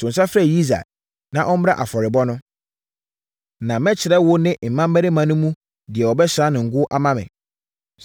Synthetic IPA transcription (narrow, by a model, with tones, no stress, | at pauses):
tʰʊ̃˨n̩˨s̬a˦fɾɛ˦˨ji˦s̬a̰˨ | nã˨ʔɔ˦m̩˦ba̰˦ʔa̰˨fɔ˨ɾɪ˨bɔ˦nʊ̃˦ | nã˨mɛ˦t͡ɕʰɪ˨ɾɛ˦wʊ˦nɪ̃˦˨m̩˨mːã˦mː˦ɛ˦ɾɪ˦mã˨nʊ̃˦mũ˦ | dɪ˨ɛ˨wɔ˨bɛ˦ɕã˨˦nɪ̃˨ŋ̩˨ɡʊ˦ʔa˦mã˦mɪ̰̃˨